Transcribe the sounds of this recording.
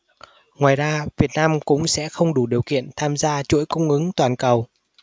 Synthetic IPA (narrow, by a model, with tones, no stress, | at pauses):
ŋwaː˨˩jzaː˧vi˨˩ət̚naː˧mkʊ̰˧˥ŋ͡msɛ̰˧˥xə˧wŋ͡mɗu˧˩ɗi˨˩əwkḭ˧˨ənt̪ʰaː˧mzaː˧t͡ɕṵ˧˥jkʊ˧ŋ͡mʔɨ˨˦ŋt̪waː˨˩nkə˨˩w